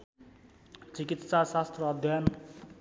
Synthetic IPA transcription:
t͡sikit̪sasast̪rʌːd̪ʱjan

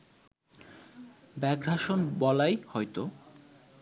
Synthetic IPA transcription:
bɛɡɾaʃonbɔlajhɔjt̪o

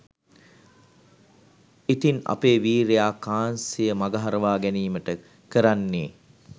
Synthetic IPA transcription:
it̪ina̰peːʋiːɾejaːkaːnsijəmaɡaɦaɾəʋaːɡæniːməʈə | kəɾanːeː

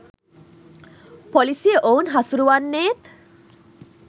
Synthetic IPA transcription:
pɔlisijeʔownɦasuɾuʋanːeːt̪

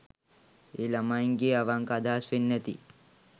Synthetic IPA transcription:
eːlɐmajiŋɡiɐʋaŋkad̪ʱaːsʋenːɛt̪ḭ

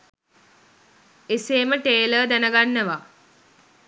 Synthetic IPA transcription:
eseːməʈeːləːd̪ænəɡanːəʋa

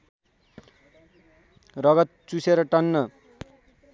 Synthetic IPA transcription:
rʌɡʌt̪̚t͡suseɾʌʈʌnːʌ

